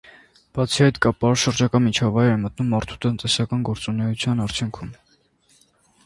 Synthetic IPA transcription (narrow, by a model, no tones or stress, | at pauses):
b̥ɑt͡sʰiɑjt̪kɑpɑɾʃəɾd͡ʒɑkɑmit͡ʃʰɑvɑjɾɛmət̪numːɑɾt̪ʰu̥t̪ənt̪ɛsɑkɑnɡɔɾt͡sunɛjut͡sʰjɑnɑɾt͡sʰjuŋkʰum